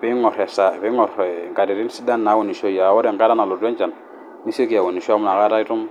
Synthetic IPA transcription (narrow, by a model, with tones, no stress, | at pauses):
pi˦ŋɔ˨ɾɛ˨sa˨pi˦ŋɔ˨ɾŋɡa˨di˨ɾi˦n˦si˦da˦nːa˨˦wu˨ni˨ʃo˦ja˨wo˦de˨ka˦da˦na˨lu˨de˦nd͡ʒa˨n | ni˦si˦ki˨a˨wu˨ni˨ʃu˦a˦mu˨na˨ka˦da˦i˦tu˦m